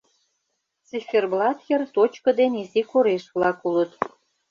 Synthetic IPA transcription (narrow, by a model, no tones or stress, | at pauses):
t͡siferblɑt̪jert̪ot͡ɕkə̆d̪enizikoɾeʃβlɑkulə̆t̪